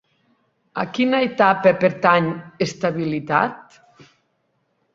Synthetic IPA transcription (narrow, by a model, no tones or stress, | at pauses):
a̰kinaet̪apepeɾt̪aɲest̪aβilit̪a̰t̪̚